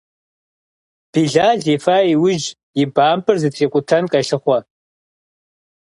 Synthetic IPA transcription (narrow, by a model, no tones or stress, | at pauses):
b̥iːɮaːɮiːfaːiwʊʒ | jɪbaːmpʰɨrzɨtʰeːkʷʼʊtʰɐnqʼɐɬɨχʷɔ